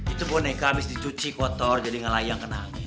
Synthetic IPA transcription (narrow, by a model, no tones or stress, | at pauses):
it̪upʊnekaːbɪsdit͡ʃut͡ʃikɔt̪ɔrd͡ʒadiŋəlaijaŋkənaŋi